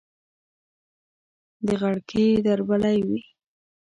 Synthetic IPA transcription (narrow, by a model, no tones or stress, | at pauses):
d̪əɣaɽkʰed̪aɾbalajwi